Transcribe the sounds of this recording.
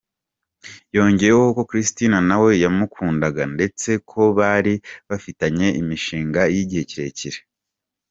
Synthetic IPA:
jo̞ːɲɟe̞jɾekoko̞kɾistinanawe̞jamukʰuːndaɡande̞t͡se̞kʰo̞βaːɾiβafitaɲe̞ʔimiʃiːŋɡajiɟiheciɾe̞ciɾe

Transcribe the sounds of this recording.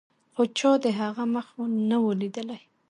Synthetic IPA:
xot͡ʃɑd̪əɦaɣaməxonəwəlid̪əlaj

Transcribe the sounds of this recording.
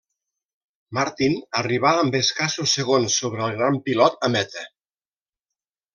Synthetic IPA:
maɾt̪inəriβ̞aːmbeskasusːeɣonsːoβɾəəlˠɣɾampilɔt̪əmɛt̪ə

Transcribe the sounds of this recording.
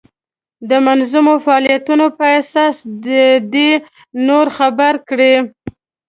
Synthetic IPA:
d̪əmanzumofaɑlijat̪unopəasɑsd̪əd̪e | noɾxabaɾkɽe

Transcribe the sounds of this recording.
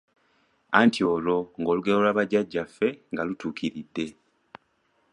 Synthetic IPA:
antʰio̞ːlo̞ŋɡo̞ːluɡeolwaːβaɟaɟːafːe̞ŋɡalutuːkʰiɾidːe̞

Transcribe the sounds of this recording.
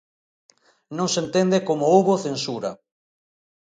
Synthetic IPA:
nõŋsent̪end̪ekomoowβoθensuɾɐ

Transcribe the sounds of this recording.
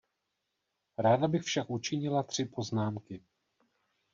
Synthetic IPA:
ɾaːdabɪxfʃakʔut͡ʃɪɲɪlat̪r̝̥ɪpo̞znaːmkɪ

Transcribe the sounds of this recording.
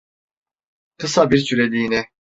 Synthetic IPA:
kʰɯsabiɾsʰyɾelʲiːnɛ

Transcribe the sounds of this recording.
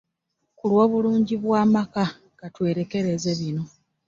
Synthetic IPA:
kulwo̞ːβuluːɲɟiβwaːmaka | ɡatwe̞ːɾe̞ke̞ɾe̞ze̞βino̞

